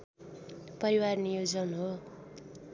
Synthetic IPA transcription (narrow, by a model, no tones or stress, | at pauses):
pʌɾiwarnijod͡zʌnɦo